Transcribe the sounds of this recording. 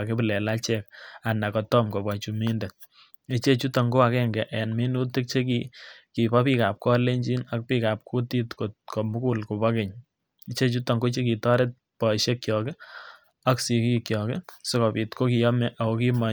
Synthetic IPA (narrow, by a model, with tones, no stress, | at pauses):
ke˦bɪ˨lɛ˨la˦t͡ʃɛka˨na˨kɔ˨tɔ˦mko˨bwa˨t͡ʃumi˦nde˨t̚ | i˦t͡ʃe˦t͡ʃu˦tɔ˨ŋɡo˦a˨kɛ˦ŋɡɛ˨ʔɛ˨nme˦nu˦tɪ˦k̚t͡ʃe˦ki˨ki˨pa˦pi˦ka˨p̚kɔ˦le˦ɲd͡ʒi˦na˦k̚pi˦ka˨p̚kʰu˦ti˦tkotko˨mʊ˦ku˦lko˨pa˦ke˨ɲ | i˦t͡ʃe˦t͡ʃu˦tɔ˨ŋɡo˦t͡ʃe˦ki˨tɔ˦ɾe˦t̚pɔ˨ʃe˦kːjɔke˦ | a˦ksi˨kikjɔke˦se˦kɔ˨pi˨tko˦ki˨jɔ˦mɛ˦ʔa˨koki˦ma˨